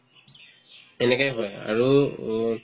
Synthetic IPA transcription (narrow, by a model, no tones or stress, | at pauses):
ɛnɛkajɦɔja̰ɹu